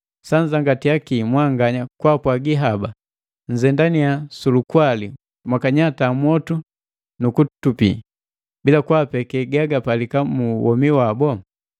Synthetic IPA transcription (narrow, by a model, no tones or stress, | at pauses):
saɲd͡ʒaŋɡatiakimwaŋɡaɲakwapwaɡiɦaba | ɲ̩d͡ʒɛndaniasulukwali | mwakaɲataːmwɔtu | nukutupḭ | bilakwapɛkɛɡaɡapalikamuwɔmiwabɔ